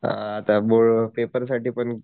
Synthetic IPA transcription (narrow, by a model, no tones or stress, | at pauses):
a̰ːt̪aboɭpepəɾs̬aʈiːpəɳ